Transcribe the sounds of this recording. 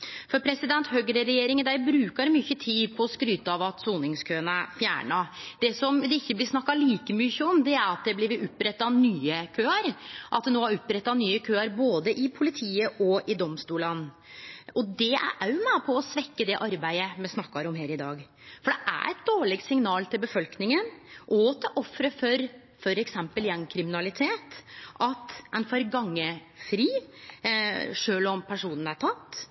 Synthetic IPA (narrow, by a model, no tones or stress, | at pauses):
fɔɾpʰɾɛsɪd̪ɛnt̪høɡɾəɾɛjeːɾɪŋd̪æɪbɾʉːkɑɾmʏçːət̪ʰiːd̪pʰɔːskɾyːt̪əɑʋɑt̪suːnɪŋskʰøːənæfjæ̰ːɳɑd̪̥ɛsɔmd̪ɛɪçːəblɪsnɑkːɑliːkəmʏçːəɔmd̪ɛæɾɑt̪̚d̪ɛblɪʋɪɾʊpːɾɛt̪ːɑnyːəkʰøːɑɾʔɑt̪̚d̪ɛnoːæɾɔpːɾɛt̪ːɑnyːəkʰøːɑɾboːd̪əʔɪpʰʊlɪt̪ʰiːəʔɔʔɪd̪ɔmst̪uːlɑn | ɔd̪ɛæ̰ʔæjʊmæɪpʰɔɔsʋɛkːəd̪ɛʔɑɾbæɪəmɛsnɑkːɑɾɔmɦeːɾɪd̪ɑːɡ | fɔɖɛʔæ̰ɾɛt̪̚d̪oːɭɪɡ̚t̪sɪŋnɑːlt̪ʰɪlbəfɔlknɪŋənʔɔt̪ʰɪʔɔfɾəfɔɾ | fɔɾɛksɛmpəljɛŋkʰɾɪmɪnɑlɪt̪ʰeːt̪ʔɑt̪ɛɪnfɑɾɡɑŋːəfɾiː | ʂøːlɔmpʰæʂuːnən̩æʈʰɑt̪ː